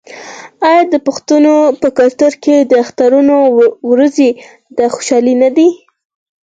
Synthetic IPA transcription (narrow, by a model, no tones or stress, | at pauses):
ɑjɑd̪əpʊxt̪unopəkalt̪ʊɾked̪əaxt̪aɾunowɾaze | d̪axo̥ʃɑlinad̪i